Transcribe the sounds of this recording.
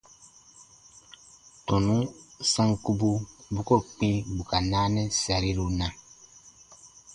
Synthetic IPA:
tɔ̃˨nũ˦sã˦ŋku˦bu˦bu˦ko˦k͡pĩ˦bu˨ka˨naː˦nɛ̃˦sa˨ɾi˦ɾu˨nã˨

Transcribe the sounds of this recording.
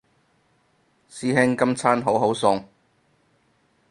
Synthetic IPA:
siː˧ɦɪ˥ŋkɐ˥mt͡sʰaː˥nɦo˨˥wɦo˨˥wsʊ˧ŋ

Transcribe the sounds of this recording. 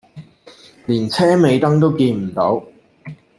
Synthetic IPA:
liː˨˩nt͡sʰɛː˥me˨˧jt̪ɐ˥ŋt̪o˥wkiː˧nm̩˨˩t̪o˨˥w

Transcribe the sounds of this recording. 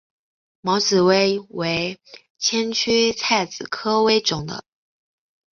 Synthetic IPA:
mɑ˧˥ʊt͡sɹ̩˨˩we˥ɪwe˧˥ɪ | t͡ɕʰjɛ˥nt͡ɕʰy˥t͡sʰa˥˩ɪt͡sɹ̩˨˩kʰɤ˥we˥ɪʈ͡ʂʊ˨˩ŋd̪ə̰˦

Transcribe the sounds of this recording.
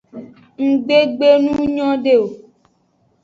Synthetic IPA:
ŋ̩˨ɡ͡be˦ɡ͡be˦nũ˦ɲɔ̃˦ɖe˦˨o˨

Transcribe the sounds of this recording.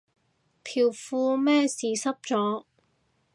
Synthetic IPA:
pʰiː˨˩wfuː˧mɛː˥siː˨˧sɐ˥p̚t͡sɔː˨˥

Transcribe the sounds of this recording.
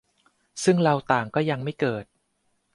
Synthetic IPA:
sɯ˥˩ŋɾa˧wt̪aː˨˩ŋkɔː˥˩ja˧ŋma˥˩jkɤː˨˩t̪̚

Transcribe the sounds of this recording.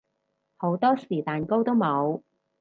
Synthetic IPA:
ho˨˥wt̪ɔː˥siː˨˩t̪aː˨nko˥wt̪o˥wmo˨˧w

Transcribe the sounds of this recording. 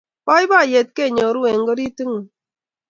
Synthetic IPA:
pɔ˦i˦ba˦˨je˨t̚ke˦˨ɲɔ˨ɾu˦e˨ŋ˦ɡo˦ɾi˦ti˦ŋu˨

